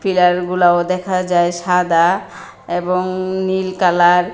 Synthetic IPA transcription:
fʰilaɾɡulaod̪ɛkʰad͡ʑaeʃad̪a | eboŋnilkalaɾ

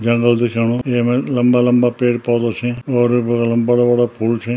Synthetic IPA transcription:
d͡ʒɐŋɡəld̪ɪkʰjeːɳ̃õeːmẽlɐmbaːlɐmbaːpeːʈpaːd̪oːt͡ʃʰẽɔːɾlɐmbaːɽaʋaːɽapʰuːlt͡ʃʰẽ

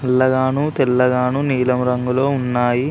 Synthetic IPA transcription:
ɛlːɐɡaːɳut̪ɛlːɐɡaːɳuniːlɐmɾɐŋɡulo̞ːunːaːji

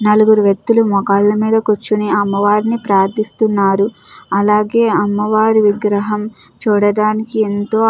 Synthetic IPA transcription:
nɐluɡuɾuʋek̚t̪ːulumɔkaːlːɐmiːd̪ɐkot͡ʃːuniɐmːɐʋaːɾinipɾaːɾt̪ʰːist̪unːaːɾuɐlaːɡe̞ːɐmːɐʋaːɾiʋiɡɾɐɦɐm | t͡ʃuːɽɐd̪aːnikient̪oː

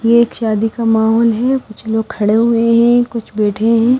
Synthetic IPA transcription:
jeːkʃaːd̪ikamaːɦɔːlɦɛkʊt͡ʃʰloːɡ̚kʰɐɽeɦʊeɦɛ̃kʊt͡ʃʰbeːʈʰeɦɛ̃ː

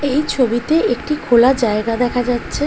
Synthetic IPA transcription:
ejt͡ɕʰobit̪eʔek̚ʈikʰolad͡ʑaeɡad̪ɛkʰad͡ʑatːɕʰe

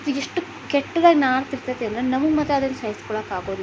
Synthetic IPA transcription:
ɐt̪ueʂʈːu | kɛʈːɐd̪aːɡinaːɾt̪iɾt̪ɐt̪ːend̪ɾenɐmɐɡmɐt̪ːeɐd̪ɐnːusɐjɐskuːɭaːkaːɡoːd̪i

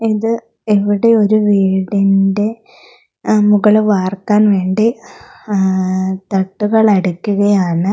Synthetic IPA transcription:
iðɨ | eʋiɽe̞o̞ɾuʋiːɽinde̞ | muɣɐɭʋaːrkaːnʋe̞ːɳɖi | t̪ɐʈːuɣɐɭɐɽukʲːuɣɐjaːɳɨ

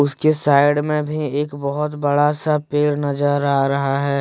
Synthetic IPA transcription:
ʊskesaːɪɽmẽbʱieːkbɐɦʊt̪bɐɽasapeːɽnɐzəɾaːɾɐɦaɦɛː

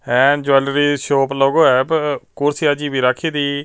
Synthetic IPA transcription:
ɛːnd͡ʒaːlɾiːʃoːploːɡoːɛːbkʊɾsiaːd͡ʒiːbiːɾaːkʰiːd̪iː

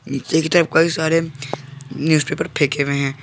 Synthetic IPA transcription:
eːkiʈ̪ɾɛp̚kaisaːɾe | njuːspeːpəɾpʰeːkeʋẽɦɛ̃ː

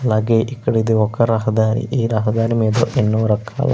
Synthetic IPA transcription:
lɐɡeʔikːɐɽed̪eɔkːɐɾaːɦɐd̪aːɾḭʔiːɾaːɦɐd̪aːɾimeːd̪oʔenːuʋɐɾɐkʰːa̰ːlɐ̰

